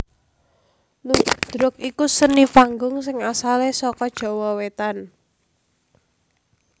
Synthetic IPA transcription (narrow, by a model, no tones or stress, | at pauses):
nud̪̥ɾʊk̚ikusənifaŋɡʊŋsɪŋasalesɔkɔd̥ʒ̥ɔ̤wɔwet̪an